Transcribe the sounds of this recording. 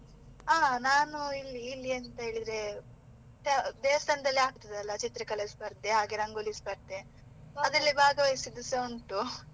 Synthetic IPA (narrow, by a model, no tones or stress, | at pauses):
aːnaːnuilːiːlːiɐnt̪ɐɦe̞ːɭid̪ɾe | t̪ɛd̪eːʋɐst̪ʰaːnɐd̪ɐlːiaːk̚t̪ɐd̪ɐlːɐt͡ʃit̪ɾɐkɐlɐsbɐɾt̪ːeɦaːɡeɾɐŋɡulisbɐɾt̪e | ɐd̪ɐlːibʱaːɡɐʋɐjisid̪usɐuɳʈu